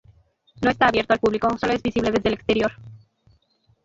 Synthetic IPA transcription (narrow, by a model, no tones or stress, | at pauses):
noe̞st̪aːβje̞ɾt̪o̞alpuβlikoso̞loe̞zβisiβle̞ðe̞zðele̞kst̪e̞ɾjo̞ɾ